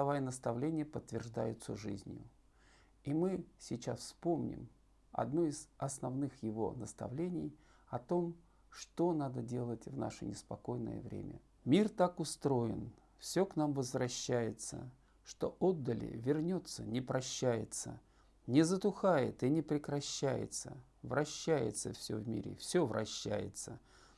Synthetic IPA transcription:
ɐvajənəst̪ɐvlʲenʲɪjəpət̪ːvʲɪrʐd̪a̰jʊt̪səʐɨ̰zʲnʲjʊ̰ | imɨsʲɪt͡ɕasfspomnʲɪ̰m | ɐ̰d̪noɪzɐsnɐvnɨxjɪvo̞̰nəst̪ɐ̰vlʲenʲɪj | ɐt̪o̞m | ʂt̪o̞nad̪ədʲe̞lˠətʲvna̰ʂənʲɪspɐko̞jnə̰jə̰vɾʲḛmʲə̰ | mʲirt̪akʊst̪ɾo̞jɪn | fsʲoknamvəzvrɐɕːæjɪt̪sə̰ | ʂt̪o̞̰ʔod̪ːəlʲɪ̰vʲɪrnʲot̪sənʲɪpɾʔɐɕːæjɪt̪sə | nʲɪzət̪ʊxajɪ̰t̪ɨnʲɪpɾʲɪkɾɐɕːæjɪ̰t̪sə | vɾɐɕːæjɪ̰t̪səfsʲɵ̰vmʲḭɾʲɪ̰fsʲovɾʔɐɕːæ̰jɪ̰t̪sə

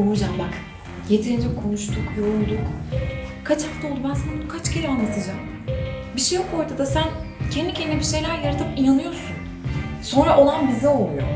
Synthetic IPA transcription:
oud͡ʒambak | jet̪ʰiɾind͡ʒɛkʰo̞nuʃt̪ʰukjo̞ɾulˠd̪uk | kʰat͡ʃhaft̪ʰao̞lˠd̪ubænsankʰat͡ʃcʰeɾianlˠat̪ʰɯd͡ʒam | biʃejko̞jt̪ʰad̪asæncʰɛnd̪icʰeɛnɛbiʃe̞jlʲæɾjaɾat̪ʰɯpinanɯjo̞sun | so̞nɾaʔo̞lˠanbizɛo̞lˠujo̰

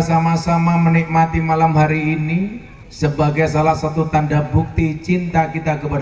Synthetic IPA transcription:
samasamamənik̚mat̪imalamɦaɾiːni | səbaɡajsalahsat̪ut̪andabuk̚t̪it͡ʃint̪akit̪akəpad

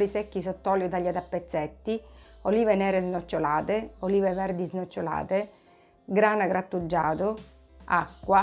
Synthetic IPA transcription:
ɾisɛkːis̬ot̪ːɔːljot̪aʎːat̪apːet̪sːɛt̪ːioliːvenɛːɾeznot͡ʃːolaːt̪eoliːvevɛɾd̪iznot͡ʃːola̰ːt̪e | ɡɾaːnaɡɾat̪ːud͡ʒːaːt̪ʊ | akːwa

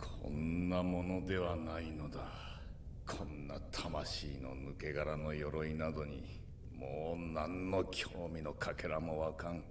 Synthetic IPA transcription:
kʰõ̞̰nːamo̞no̞d̪e̞βanaino̞d̪a | kʰõ̞nːat̪ʰamaɕiːno̞̰nɯke̞ɡaɾano̞jo̞ɾo̞inad̪o̞ɲ̟i | moːnãnːo̞kʲʰo̞ːmʲino̞kʰakeɾamo̞βakãŋ

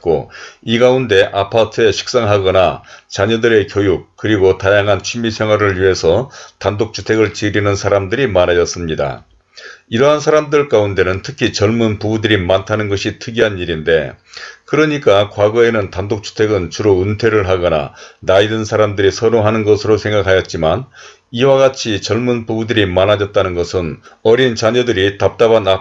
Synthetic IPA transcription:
k͈o̰iɡaunde̞ʔapʰatʰɯe̞ɕʰi̥k̚s͈aŋɦaɡʌnat͡ɕaɲʌdɯɾe̞kjojuk͈̚ːɯɾiɡotajaŋɦant͡ɕʰimisʰjeŋɦwaɾɯɭɥiɦe̞sʰʌtandok̚t͡ɕʰu̥tʰe̞ɡɯɭt͡ɕiɾinɯnsʰaɾamdɯɾimanajʌs͈ɯmɲida̰ | iɾʌɦansʰaɾamdɯɭk͈aunde̞nɯntʰɯkʰit͡ɕʌɭmunpubudɯɾimantʰanɯnɡʌɕʰitʰɯɡiɦaniɾinde̞kɯɾʌɲik͈akwaɡʌe̞nɯntandok̚t͡ɕʰu̥tʰe̞ɡɯnt͡ɕuɾountʰe̞ɾɯɭɦaɡʌna̰naidɯnsʰaɾamdɯɾisʰʌɾoŋɦanɯnɡʌsʰɯɾosʰe̞ŋɡakʰajʌt̚t͡ɕ͈iman | iwaɡat͡ɕʰit͡ɕʌɭmunpubudɯɾimanad͡ʑʌt̚t͈anɯnɡʌsʰɯnʌɾint͡ɕaɲʌdɯɾitap̚t͈abana

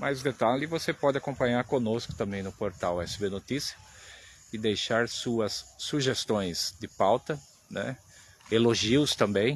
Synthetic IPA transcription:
majzɡet̪alivosepɔd̪ɪakõpɐ̃ɲaɾkõnoskʊ̥t̪ɐ̃mbẽj̃nʊpoɾt̪awɛsɪbenot̪isiɐ | ɪd̪ejʃaɾsuɐsːuʒest̪õj̃sd̪ɪpawt̪ɐ | nɛ̰ | eloʒiʊst̪ɐ̃mbẽj̃

